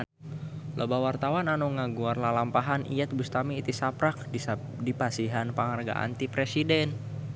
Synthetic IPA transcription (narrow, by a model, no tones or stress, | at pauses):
lʔobawart̪awananuŋaɡuarlalampaɦanʔḭjat̪̚bust̪amiːt̪isapɾak̚ | dipasiɦanpaŋarɡa̰ʔa̰nt̪ipɾesidɛn